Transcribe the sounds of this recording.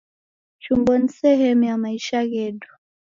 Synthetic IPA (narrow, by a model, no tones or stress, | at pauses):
t͡ʃumbɔnisɛhɛmujamaiʃaɣɛɗu̥